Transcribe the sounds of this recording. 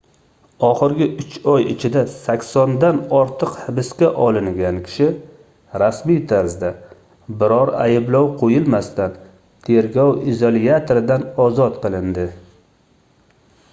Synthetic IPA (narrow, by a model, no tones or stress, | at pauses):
ɒχɨɾɡʲɪʔʊt͡ʃɒjɪ̰t͡ʃʰɪd̪asakʲsɒnd̪anɒɾt̪ʰɨqhɪbɪskʲaʔɒlˠɪŋɡʲankʲʰɪ̥ʃɪ | ɾasmijt̪ʰaɾzd̪a | bɪɾɒɾa̰jɪblɒwqʰojɪlmast̪an | t̪ʰe̞ɾɡʲɒwɪzolˠiat̪ʰoɾɪd̪anɒzɒt̪qɨlˠɪnd̪ɪ